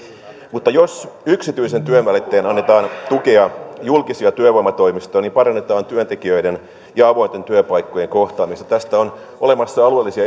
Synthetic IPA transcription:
mut̪ːɑjosyksit̪yise̞nt̪yønʋælit̪ːeːnɑnːet̪ɑːnt̪uke̞ɑjulkisiɑt̪yøʋoimɑt̪o̞imist̪oːniːmpɑɾɑnːet̪ɑːnt̪yønt̪e̞kiøiden | jɑɑʋo̞int̪e̞nt̪yøpɑikːojeŋko̞ht̪ɑːmist̪ɑ̥t̪æst̪æon | olemɑsːɑɑluelːisiɑ

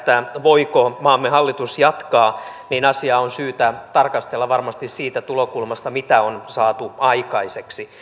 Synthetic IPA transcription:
t̪æʋo̞ikomɑːmːeɦɑlːit̪usjɑt̪kɑːninɑsiɑːonsyːt̪æt̪ɑrkɑst̪elːɑʋɑrmɑst̪issiːt̪æt̪ulokulmɑst̪ɑmit̪æonsɑːt̪uɑikɑiseksi

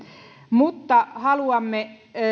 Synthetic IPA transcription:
mut̪ːɑhɑluɑmːe

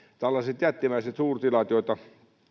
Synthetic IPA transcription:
t̪ælːɑset̪jæt̪ːimæiset̪suːrt̪ilɑt̪joit̪ɑ

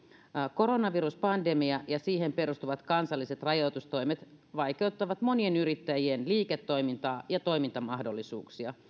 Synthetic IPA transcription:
koɾonɑʋiɾuspɑndemiɑjɑsiːɦempeɾust̪uʋɑt̪kɑnsɑlːˑiset̪rɑjot̪ust̪o̞imet̪ | ʋɑikeut̪ːɑʋɑt̪monienyɾit̪ːæjienliːket̪ːo̞imint̪ɑːjɑt̪o̞imint̪ɑmɑhdolːisṵːksiɑ

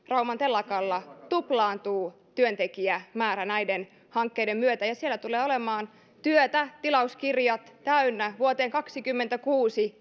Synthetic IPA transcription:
rɑumɑnt̪elːɑkɑlːɑt̪uplɑːnt̪uː | t̪yønt̪ekiæmæːɾænæiden | hɑŋkːeidemmyøt̪æjɑsielːæt̪uleːolemɑːn | t̪yøt̪æt̪ilɑuskirjɑt̪tæynːæʋuot̪eːŋkɑksikymːent̪ækuːsi

